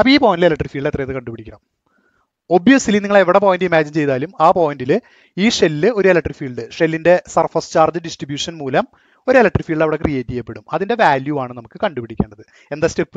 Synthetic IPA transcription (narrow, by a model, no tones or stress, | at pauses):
ɐpːɐiːpoːɐndilelɐʈːrifiːɭɖet̪rɐjɐðɨkɐɳɖubpiɽikʲːɐɳɐm | o̞bjɐsiliniŋːɐɭeʋiɽep̬oːjindiimaːd͡ʑint͡ɕe̞jðaːlumaːpo̞ːjindilɨ | iːʂe̞lːɨo̞ɾuelɐkʈːrifiːɭɖɨʂe̞lːinde̞sɐrfɐrst͡ɕaːrd͡ʑɨɖisʈribjuːʂɐnmuːlɐm | o̞ɾuelɐkʈːrifiːɭɖɐʋiɽe̞krije̞ːtːijepːe̞ɽumɐðinde̞ʋaːljuʋaːɳɨnɐmukːɨkɐɳɖupiɽikʲːeːɳɖɐðɨ | e̞nd̪ɐstepːɨ̥